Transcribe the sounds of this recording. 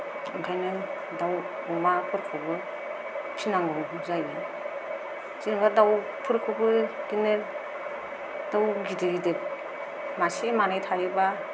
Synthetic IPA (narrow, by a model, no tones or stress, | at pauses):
ɡajnɯ | daw | umapʰɯɾkʰɯbɯ | pʰinaŋɡɯbɯzajbɯ | zinbadaw | pʰɯɾkʰɯbɯɡ̥ine | d̥awɡidiɡidek̚ | masemanajtʰajɯba